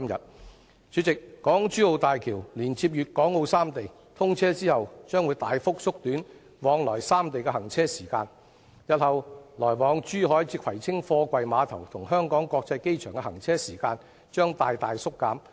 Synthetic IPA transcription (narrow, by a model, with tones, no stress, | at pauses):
mjɐ̰˨t̚ | t͡ʃyː˨˧˥t͡sɪ˨kːɔː˨˥ŋt͡ʃyː˥o˨˧wt̪aː˨jkʰiː˨˩wliː˨˩nt͡siː˧p̚jyː˨t̚kɔː˨˥ŋo˧wsaː˥mt̪e˨j | t̪ʰʊ˥ŋt͡sʰɛː˥t͡siː˥hɐ˨wt͡ʃœː˥ŋwuː˨˧jt̪aː˨jfʊ˥k̚sʊ˥k̚t̪yː˨˥n | wɔː˨˧ŋlɔː˨˩jsaː˥mt̪e˨jkɛ˧hɐ˨˩ŋt͡sʰɛː˥siː˨˩kaː˧n | jɐ˨t̚hɐ˨wlɔː˨˩jwɔː˨˧ŋt͡ʃyː˥ɦɔː˨˥jt͡siː˧kʰɐ˨˩jt͡sʰɪ˥ŋfɔː˧kʷɐ˨jmaː˨˧t̪ʰɐ˨˩wt̪ʰʊ˨˩ŋɦœː˥ŋkɔː˨˥ŋkɔː˧k̚t͡sɐ˧jke˥jt͡ʃʰœː˨˩ŋkɛ˧hɐ˨˩ŋt͡sʰɛː˥siː˨˩kaː˧n | t͡ʃœː˥ŋt̪aː˨jt̪aː˨jsʊ˥kːaː˨˥m